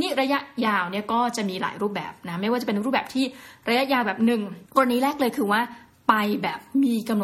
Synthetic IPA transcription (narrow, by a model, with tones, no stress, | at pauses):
niː˥˩ɾa˧ja˦˥jaː˧wni˦˥˩ɐkɔː˥˩t͡ɕa˨˩miː˧la̰ː˩˦jɾuː˥˩p̚bɛ̰ː˨˩p̚na˦˥ma˥˩jwaː˥˩t͡ɕa˨˩pe˧nɾuː˥˩p̚bɛː˨˩p̚t̪ʰiː˥˩ɾa˧ja˦˥ʔjaː˧wbɛː˨˩p̚nɯ˨˩ŋkɔː˧ɾa˧ni˦˥ɾɛː˥˩k̚lɤː˧jkʰɯː˧waː˥˩ | pa˧jbɛː˨˩p̚miː˧ka˧mno˨˩